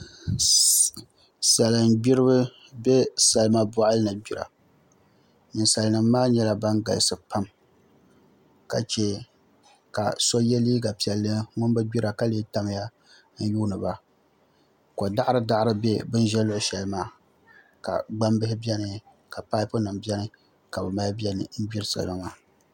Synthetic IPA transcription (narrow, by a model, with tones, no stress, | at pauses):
sɛ˨lɨ˨n˦ɡ͡bi˦ɾɨ˦bɨ˦ | bɛ˦sɛ˨lɨ˦ma˦ba˦ʔa˦lɨ˦nɨ˨ɡ͡bi˦ɾa̰˨ | nɨ˨nsa˨lnɨ˨mː˦aː˦ɲɛ˦la˨ba˦nɡa̰˨lsɨ˨pa˦m | ka˨t͡ʃɛ˦ | ka̰˨sɔ˦jɛ˦liː˦ɡa˨pi˨ɛ˨lːɨ˦ŋʊ˦n˦bɨ˦ɡ͡bi˦ɾa˨ka˦leː˦ta˦m˦ja˦ | n̩˦juː˦nɨ˨ba˦ | ko˨da˦ʔɾɨ˦da˦ʔɾɨ˦bɛ̰˦bɨ˦n˦ʒɛ˦lʊ˦ʔʊ˦ʃɛ˨lɨ˦maː˦ | ka̰˨ɡ͡ba˦mbɪ˦hɪ˦bi˦ɛ˦nɨ˨ | ka˨paː˦ɪ˦pʊ˦nɨ˨mbɛ˦nɨ˨ | ka˨bɨ˨ma˦bi˦ɛ˦nɨ̰˨n̩˦ɡ͡bi˦ɾɨ˦sa̰˨lma˦maː˦